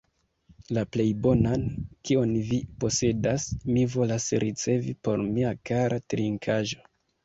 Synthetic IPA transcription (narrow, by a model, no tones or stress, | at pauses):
laple̞jbo̞nankio̞nvipo̞se̞dasmivo̞lasɾʔit͡se̞vipo̞ɾmiakaɾʔatɾiŋkʰaʒo̞